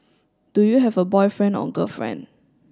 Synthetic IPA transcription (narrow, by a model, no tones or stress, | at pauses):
d̥ujuɦɛvəbɔɪfɹɛ̃ndɔ̰̃ɡə̰fɹɛ̰̃nd